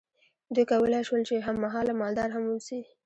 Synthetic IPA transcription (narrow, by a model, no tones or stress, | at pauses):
d̪ujkawəlajʃwəlt͡ʃeɦamːaɦɑlamɑld̪ɑɾɦamwəlsi